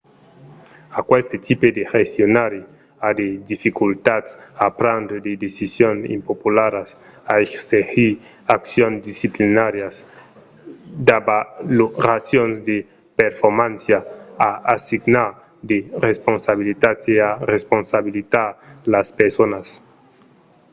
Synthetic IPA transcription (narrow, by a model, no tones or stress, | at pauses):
akwest̪et̪ʰiped̪exest̪jonaɾi | ad̪ed̪ifikult̪at̪sapɾand̪d̪ed̪esisjonḭmpopulaɾas | aeksexi | aksjonsd̪isiplinaɾjas | d̪abalorasjonzd̪e | peɾfoɾmãnsjaːasiɡnaɾ | d̪eresponsaβilit̪at̪searesponsaβilit̪aɾlaspeɾsonas